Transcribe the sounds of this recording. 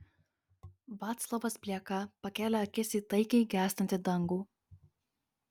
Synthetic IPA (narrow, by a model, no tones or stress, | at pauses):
ʋɑːt̪slˠɔʋɐspʲlʲiɛkɐpɐkʲæːlʲɛɐkʲɪsʲiːt̪ɐɪkʲɛɪɡʲæːsʲt̪ɐnʲt̪ʲɪd̪ɐŋɡuː